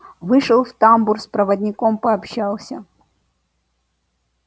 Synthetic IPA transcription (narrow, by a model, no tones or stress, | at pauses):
vɨʂəlˠft̪amburspɾɐvɐdʲnʲɪkompɐɐpɕalˠsʲə